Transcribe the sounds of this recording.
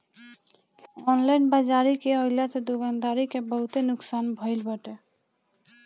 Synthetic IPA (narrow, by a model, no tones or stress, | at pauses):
ɔnlainbad͡ʒaɾikeəlat̪ed̪okand̪aɾikebəɦut̪enuksanbʱəɪlbəʈe